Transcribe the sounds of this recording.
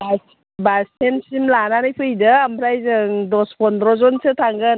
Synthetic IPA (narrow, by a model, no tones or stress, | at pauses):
as | basʰensimlananɯjpʰɯjdaambɾajzɯŋdɔspʰɔndɾɔzɔnsɯtʰaŋɡɯn